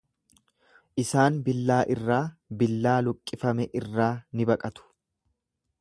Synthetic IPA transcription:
ʔɪsaːnbɪlːaːʔɪrːaːbɪlːaːlʊkʼːɪfɐmɛʔɪrːaːnɪbɐkʼɐt̪ʊ̥

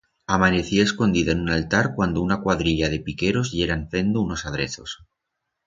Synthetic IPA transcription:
amane̞θiaesko̞nd̪iðaenunalt̪aɾkwand̪ounakwaðɾiʎað̞e̞pike̞ɾo̞zʎe̞ɾaɱfe̞nd̪ouno̞saðɾeθo̞̰s

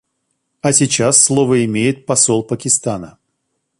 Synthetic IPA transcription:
ɐsʲɪt͡ɕasːlˠo̞vəɪmʲejɪt̪̚pɐsolˠpəkʲɪst̪anə

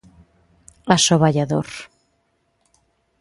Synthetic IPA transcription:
asoβaʎaðo̰ɾ

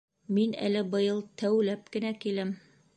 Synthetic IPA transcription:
minæ̰lɘbɤ̆jɤlˠt̪ʰæwlæp̚kɘ̆nækilɘm

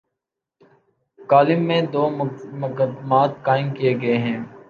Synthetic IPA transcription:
kaːlɪmːẽd̪oːmʊkd̪maːt̪kaːɪmkijeɡɐeɦɛ̃ː

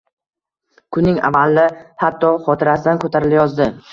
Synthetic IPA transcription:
kʰʊnːɪŋa̰valːɪhat̪ʰːɒχɒt̪ʰɪɾasɪd̪ankʰot̪ʰaɾɪljɒzd̪ɪ

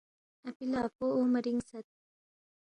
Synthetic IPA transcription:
ɐpilɑːpoomɐɾiŋsɐt̪̚

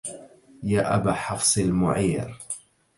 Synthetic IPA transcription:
jaːʔabaːħɑfsˤɪlmʊ̰ʕiːɾ

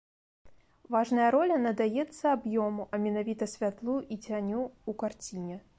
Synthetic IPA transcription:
vaʐnɐjɐɾɔlʲɐnɐd̪ajɛt̪sːɐabjɔmuʔɐmʲɛnavʲit̪ɐsʲvʲat̪lˠuʔit͡sʲanʲuːkart͡sʲinʲɛ

